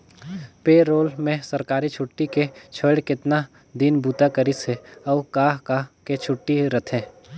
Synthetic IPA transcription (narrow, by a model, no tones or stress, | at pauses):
peːɾoːlmẽsəɾkaːɾit͡ʃʰʊʈːiket͡ʃʰəːɽkɪt̪na | d̪iːnbʱuːt̪akəɾiseɔːkaːɦkaket͡ʃʰʊʈːiɾɐt̪ʰẽː